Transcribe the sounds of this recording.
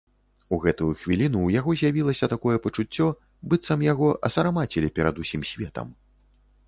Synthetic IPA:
uɣɛt̪ujuxvʲilʲinuːjaɣɔzʲjavʲilˠɐsʲɐt̪akɔjɛpɐt͡ʂut͡sʲːɔ | bɨt̪sɐmjaɣɔʔɐ̰sɐɾamat͡sʲɛlʲipʲɛɾad̪usʲimsʲvʲɛt̪ɐ̰m

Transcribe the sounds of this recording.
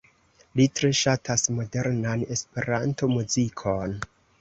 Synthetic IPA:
litɾe̞ʃatʰasmo̞de̞ɾnane̞spe̞ɾanto̞muzikʰo̞n

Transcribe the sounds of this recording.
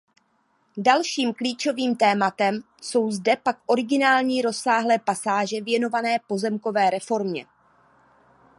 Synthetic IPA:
dalʃiːmkliːt͡ʃo̞viːmt̪ɛːmat̪ɛm | so̞wzdɛpakʔo̞ɾɪɡɪnaːlɲiːɾo̞sːaːɦlɛːpasaːʒɛvjɛno̞vanɛːpo̞zɛmko̞vɛːɾɛfo̞ɾmɲɛ̰

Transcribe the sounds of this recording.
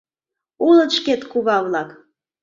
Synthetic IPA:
ulə̆t̪ʃket̪kuβɑβlɑk

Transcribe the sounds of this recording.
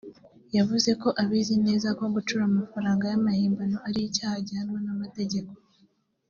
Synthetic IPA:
javuze̞ko̞ʔaβiːzine̞ːzakoɡut͡ʃuɾamafaɾaːŋɡajamahiːmbano̞ʔaɾijicaːhaɟanwonamate̞ɟe̞ko̞

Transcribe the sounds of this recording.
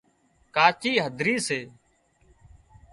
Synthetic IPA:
kaːt͡ʃiːɦəd̪ʱɾiːseː

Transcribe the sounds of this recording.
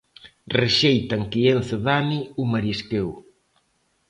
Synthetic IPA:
reʃejt̪aŋkienθeðaniumaɾiskew

